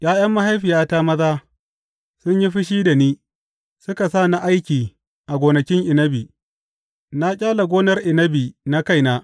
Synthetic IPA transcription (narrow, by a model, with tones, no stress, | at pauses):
jʔaː˦jɐ˦mːa˦ɦa˦jɸɪ˨jaː˦ta˦mɐ˦zaː˦ | sʊ˦ɲji˦ɸɪ˦ʃ̬iː˦da˨niː˦ | sʊ˦ka˨sa˦˨na˨ʔa˦jkʲiː˨ | ʔa˨ɡʷoː˨nɐ˨kʲɪ˦ŋʔɪ˨nɐ˦biː˨ | na˦kʲʼaː˦la˨ɡʷoː˦nɐ˦rʔɪ˨nɐ˦biː˨na˦ka˦jnaː˦